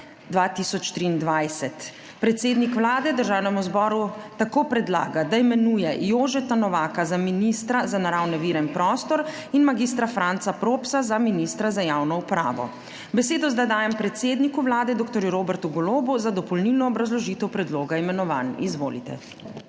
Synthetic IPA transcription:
d̪ʋaːt̪isɔt͡ʃt̪ɾiːnd̪ʋajsɛt̪ | pɾɛt̪seːd̪nikʋlaːd̪ɛd̪əɾʒaːwnɛmuzbɔːɾut̪akoːpɾɛd̪la̰ːɡad̪aimɛnuːjɛjoːʒɛt̪anɔʋaːkazaminist̪ɾazanaɾaːwnɛʋiːɾɛinpɾɔːst̪ɔɾ | inmaɡis̬t̪ɾafɾant̪sapɾoːpsazaminist̪ɾazajawnɔupɾa̰ːʋɔ̰ | bɛseːd̪ɔzd̪ad̪aːjɛmpɾɛt̪seːd̪nikuʋlaːd̪ɛd̪oːk̚t̪ɔɾjuɾoːbɛɾt̪uɡɔloːbuzad̪ɔpɔlnilnɔːbɾazlɔʒiːt̪ɛwpɾɛd̪loːɡaimɛnɔʋa̰nizʋo̰ːlḭt̪ɛ̰

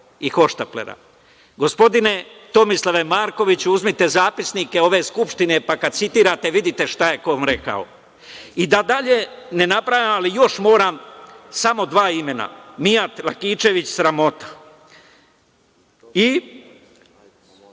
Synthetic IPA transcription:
ixo̞ʃt̪aplḛɾa̰ | ɡo̞spo̞d̪ine̞t̪o̞mislˠaʋe̞maːɾko̞ʋit͡ɕuuzmit̪e̞zaːpisnike̞o̞ʋe̞skupʃt̪ine̞pakad̪̚sit̪iːɾat̪eʋid̪it̪e̞ʃt̪aje̞ko̞ʋamɾeka̰o̰ | id̪ad̪aʎe̞ne̞napɾajamalijo̞ʃmo̞ːɾamsamo̞d̪ʋaːime̞na̰miat̪lakiːt͡ʃe̞ʋit͡ɕsɾamo̞t̪ḁ | i

